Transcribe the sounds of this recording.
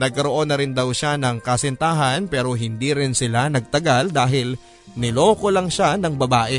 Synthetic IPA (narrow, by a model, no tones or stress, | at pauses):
nɐɡ̚kɐɾoʔo̞nːɐɾɪnd̪awʃanɐŋkɐsɛnt̪aːɦɐnpɛːɾo̞ɦɪnd̪iɾɪnsɪlanɐɡ̚t̪ɐɡald̪aːɦɪl | nɪlo̞ːkolɐŋʃanɐŋbɐbaːʔɛ